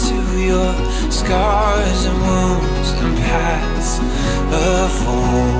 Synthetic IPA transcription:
tʰɨ | jə˞ | skɑ | ɹ | zɨ̃nmu | z̥ɨ̰̃npʰæ | ts | ʌ | v | ɔ

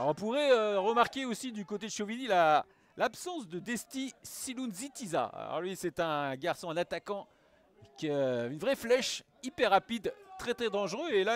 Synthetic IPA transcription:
ɔʁɔ̃puʁɛøʁəmaʁkʲeosid̪ykot̪ed̪ʃovinila | lapsɑ̃sd̪əd̪ɛst̪isilunzit̪iza̰a̰lɔ̰ʁlɥisɛt̪ɛ̃ɡaʁsɔ̃ɛ̃nat̪akɑ̃ | kʲəynvʁɛflɛʃ | ipɛʁːapid̪t̪χɛt̪χɛd̪ɑ̃ʒʁøela

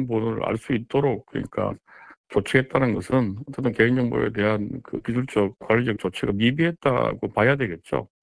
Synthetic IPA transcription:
nbonɯɾa̰ɭs͈uit̚t͈oɾok̚k͈ɯɲḭk͈a̰t͡ɕot͡ɕʰeet̚t͈anɯnɡʌsʰɯnʌt͡ɕ͈et͈ʌnke̞ind͡ʑʌŋbṵe̞̰te̞ɦankɯ̰kisʰuɭt͡ɕ͈ʌk̚k͈waɭːid͡ʑʌk̚t͡ɕ͈ot͡ɕʰeɡamibiɦe̞t̚t͈a̰ɡopajadwe̞ɡe̞t̚t͡ɕ͈o̰

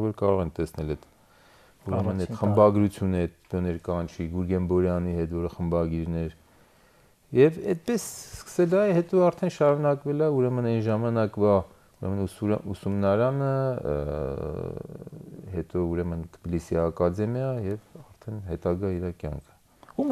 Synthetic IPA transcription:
vɔɾkɑɾɔʁɛnt̪ɛsnɛlɛt̪ | uɾɛmənɛt̪χəmbɑɡɾut͡sʰjunəɛt̪̚bɔnɛɾkɑnt͡ʃʰiɡuɾɡɛmbɔɾjɑniɦɛt̪vɔɾəχəmbɑɡiɾnɛɾ | jɛvɛt̪̚pɛsskə̥sɛlɑɛhɛt̪ɔɑɾt̪ʰɛnʃɑɾunɑkvɛlɑuɾɛmənɛnʒɑmɑnɑkvɑ | uɾɛ̰mənusumnɑɾɑnə | hɛt̪ɔuɾɛmənt̪ʰə̥bilisiɑkɑd̪ɛmjɑjɛvɑɾt̪ʰɛnhɛt̪ɑɡɑiɾɑkjɑ̰ŋkʰə̥ | u

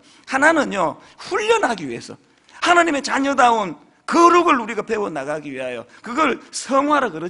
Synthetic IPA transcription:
hananɯɲjo | ɸuʎːʌnɦaɡiɥie̞̰sʰʌ̰ | hanaɲime̞t͡ɕaɲʌdaun | kɯɾuɡɯɭuɾiɡape̞wonaɡaɡiɥiɦajo̰kɯɡʌɭsʰʌŋɦwaɾɯɭkɯɾɯ

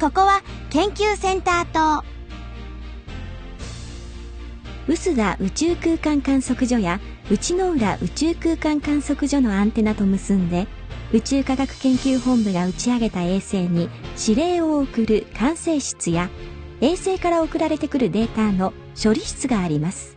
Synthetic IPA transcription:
ko̞ko̞βakẽ̞ŋkʲɨːsẽ̞nt̪aːt̪o | ɯ̟sɨɡaʔɯ̟t͡ɕɨːkɯ̟ːkãŋkãɰ̃so̞kɯ̟ʑo̞ja | ɯ̟t͡ɕino̞ɯ̟ɾaʔɯ̟t͡ɕɨːkɯ̟ːkãŋkãɰ̃so̞kɯ̟ʑo̞no̞ãnt̪e̞nat̪o̞mɯ̟sɨ̃nd̪e̞ | ɯ̟t͡ɕɨːkaɡakɯ̟̥kẽ̞ŋkʲɨːhõ̞mbɯɡaɯ̟t͡ɕiaɡe̞t̪ae̞ːse̞ːɲ̟iɕiɾe̞ːo̞ːkɯ̟ɾɯ̟kʰãɰ̃se̞ːɕɨ̥t͡sɨja | e̞ːse̞ːkaɾao̞kɯ̟ɾaɾe̞t̪e̞kɯ̟ɾɯ̟d̪e̞ːt̪aːno̞ | ɕo̞ɾʲiɕi̥t͡sɨɡaːɾʲimasɨ̥

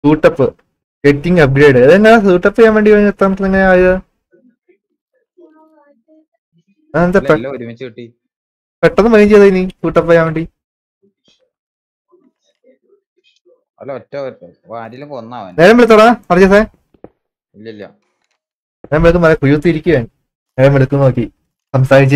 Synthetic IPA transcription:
suːʈːɐpːɨ | ketːiŋɡɐp̬̚ɡɾeːɖɨɐðɨeŋːɐlsuːʈːɐpːɐjaːnʋeɳɖiɐɲːet̪ːaːmʈːɐneŋːɐeaːjiðɨ | nt̪e | peʈːɐnːɨmɐjɐjmd͡ʑejt̪ðɐjinːisuːʈːɐpːɐjaːnʋeːɳɖi | neːɾɐmʋeɭut̪ːɐɽaɐrɐse | neːɾɐmeɭuk̬ːɨmɐlɐkujut̪ːɨiɾikʲːuʋeːɳ | ne̞ːɾɐmʋeɭukːunoːkːi | sɐmsaːɾit͡ɕː

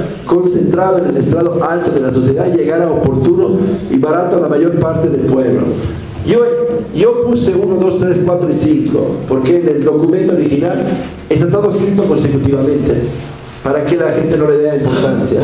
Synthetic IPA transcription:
konsent̪ɾaðoenelest̪ɾaðoalt̪oðelasosjeðaʝeɣaɾaopoɾt̪unoiβaɾat̪oalamaʝoɾpaɾt̪eðelpweβlo̰ | joʝopuseunoðo̞st̪ɾeskwat̪ɾoisiŋko̰poɾkeneld̪o̞kumẽnt̪oɾixinal | est̪at̪oðoeskɾit̪okonsekut̪iβamẽnt̪e | paɾakelaxent̪enoleðeaimpoɾt̪ansja̰

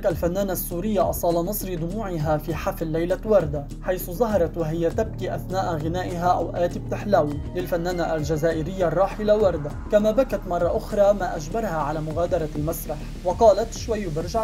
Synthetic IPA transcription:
ʔalfanːaːnasːuːɾɪjːaʔɑsˤɑːlɑmɨsˤɾɪd̪ʊmuːʕɪɦafiːħaflːajlawɑɾˤd̪a | ħajθʊzˤɑɦɑɾˤɑt̪waɦɪjat̪ab̚kiːʔaθnaːʔɣɪnaːʔɪɦaʔawʔaːt̪ɪb̚t̪ɪħlaːwilɪlfanːaːnaʔalʒazaːʔɪɾɪjːarˤːɑːħɪlawɑɾˤd̪akamabakat̪mɑrˤːɑʔʊxɾˤɑːmaːʔaʒbɑɾˤhaʕalaːmʊɣaːd̪ɑɾˤɑlmasɾˤɑħ | wɑqɑːlat̪ʃwajːbɑɾˤʒaʕ

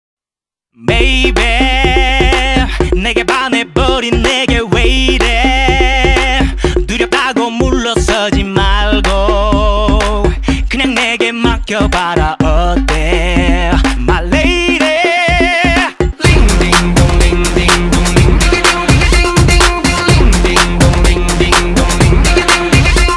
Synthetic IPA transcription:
mejbe | neɡebanebʌɾinːeɡewejde | t̪uɾjʌt̪ʰaɡomuɭːʌs͈ʌd͡ʑimaɭɡo | kɯɲaŋneɡe̞makjʌbaɾaʔʌt̚t̪e | maɭːejde | liŋdiŋoliŋiŋ | liŋdiŋoiŋi

